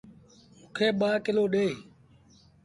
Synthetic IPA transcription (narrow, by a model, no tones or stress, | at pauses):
mũːkʰeːɓaːkɪloːɗeː